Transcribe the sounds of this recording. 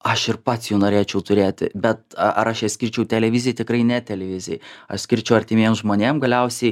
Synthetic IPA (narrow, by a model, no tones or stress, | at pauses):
ɐʃɪrpɐt̪sjuːnoːɾʲeːt͡ʃʲɛʊt̪ʊɾʲeːt̪ʲɪ̰bʲɛt̪ɐʔɐɾɐʃjɛsʲkʲɪɾʲt͡ʃʲɛʊt̪ʲɛlʲɛʋʲɪzʲɪjtʲɪkɾɐɪnʲɛt̪ʲɛlʲɛʋʲɪzʲɪjɐ̰ʃsʲkʲɪɾʲt͡ʃʲɛʊɐrʲt̪ʲɪmʲeːmsʒmoːnʲeːmɡɐlʲɛʊsʲɛɪ